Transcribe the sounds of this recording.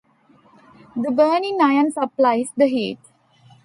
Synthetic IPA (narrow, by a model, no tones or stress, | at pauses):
d̪əbəːnĩnajə̃nsəplaɪsd̪əɦeːʈ